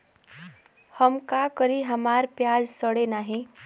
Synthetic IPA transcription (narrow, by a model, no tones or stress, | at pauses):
həmkakəɾiɦəmaːɾpjaːd͡ʒsəɽenaːɦĩ